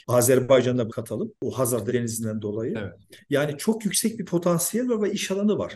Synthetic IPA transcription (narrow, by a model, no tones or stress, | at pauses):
aːzæɾbajd͡ʒand̪abkʰat̪ʰalˠɯmuɦazaɾd̪ad̪enizind̪ænd̪o̞lˠajɯjaːnit͡ʃʰo̞kjycsɛc̚bipʰo̞t̪ʰansijɛlʲvaɾvɛiʃalˠanɯva̰ɾ̥